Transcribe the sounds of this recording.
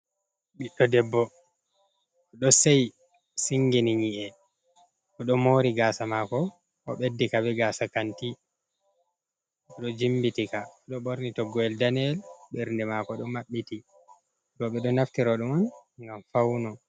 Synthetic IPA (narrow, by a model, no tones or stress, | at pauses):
ɓiɗɔdɛbːɔ | ɔɗɔsɛj | siŋɡiniɲiʔɛ | ɔɗɔmoɾiɡaːsamakɔ | ɔ̰ɓedːikabɛɡaːsakanti | ɔɗɔd͡ʒimbitikaɗɔɓoɾnitɔɡɔɛldanɛlɓɛɾndɛmakɔɗɔmaɓːiti | ɾɔɓɛɗɔnaftiɾɔɗɔmɔnŋɡamfawnɔ